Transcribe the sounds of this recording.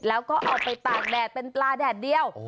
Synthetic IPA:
lɛː˦˥wkɔː˥˩ʔɔː˨˩k̚pa˧jt̪aː˨˩k̚dɛː˨˩t̪̚pe˧nplaː˧dɛː˨˩p̚di˧əw

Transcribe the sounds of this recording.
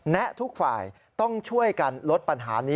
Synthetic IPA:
nɛ˦˥ʔt̪ʰu˦˥k̚fa̰ː˨˩j | t̪ɔ˥˩ŋt͡ɕʰu˥˩əjka˧nlo˦˥t̪̚pa˧nɦa̰ː˩˦niː˦

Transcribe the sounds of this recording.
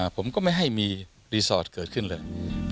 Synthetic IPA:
pʰo˨˦mkɔː˧˥ma˥˩jɦa˧˩jmiː˧ | ɾi˧sɔː˧˩t̚kəː˨˩t̚kʰɨ˧˩nləː˧˩j

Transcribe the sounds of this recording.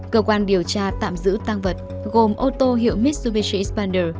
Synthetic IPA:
kəː˧kwaː˧nɗi˨˩əwt͡ɕaː˧t̪a̰ː˧˨mzɨ̰˧˥t̪a˧ŋvə˨˩t̚ | ɣo˨˩mʔo˧t̪o˧ɦḭ˧˨əwmi˦˥t̚su˧vi˧t͡ɕḭ˧˥spa˧nɗəː˧˩

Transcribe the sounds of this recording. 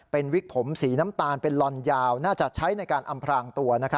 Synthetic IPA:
pe˧nwi˦˥k̚pʰo˩˦msiː˩˦na˦˥mt̪aː˧npe˧nlɔ˧njaː˧wnaː˥˩t͡ɕa˨˩t͡ɕʰa˦˥jna˧jkaː˧nʔa˧mpʰɾaː˧ŋt̪u˧ɐna˦˥kʰa˦˥

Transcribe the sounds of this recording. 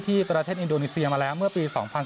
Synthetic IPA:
t̪ʰiː˥˩pɾa˧t̪ʰeː˥˩ʔi˧ndoː˧niː˦˥si˧ɐmaː˧lɛː˦˥wmɯ˥˩ɐpiː˧sɔː˩˦ŋpʰa˧ns

